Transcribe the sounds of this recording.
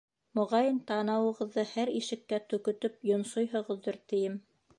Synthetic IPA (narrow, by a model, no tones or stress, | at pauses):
mŏʁɑjɤnt̪ɑnɑwɤ̆ʁɤ̆ðːɤhæɾiʃɘ̆kːæt̪ɵ̆kɵ̆t̪ɵp̚jŏnsojɦŏʁɤ̆ðːoɾt̪ɘ̆jɘm